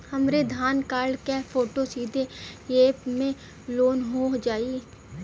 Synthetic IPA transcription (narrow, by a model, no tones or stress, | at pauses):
hɐmɾed̪ʱaːnkaːɾɖkɛpʰoːʈosiːd̪ʱeeːpmẽ | loːnɦod͡ʒaːi